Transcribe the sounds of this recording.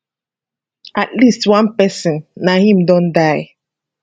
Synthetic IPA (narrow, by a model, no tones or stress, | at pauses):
atlistwãnpɛsɔ̃nːahĩmdõndaɪ